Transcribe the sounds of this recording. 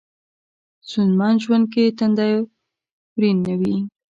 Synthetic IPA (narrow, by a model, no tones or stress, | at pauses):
sunmɑnʒwand̪̚ket̪and̪ɑjo | ɾinːawi